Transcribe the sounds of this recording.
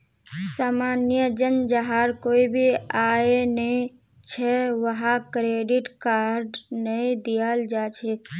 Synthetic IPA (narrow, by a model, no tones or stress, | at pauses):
saːmaːnjəd͡ʒənd͡ʒəɦaɾkoːibʱiaːenəĩ | t͡ʃʰɛʋəɦakɾeɖɪʈkaɾɖnəĩd̪ijəld͡ʒaːt͡ʃʰe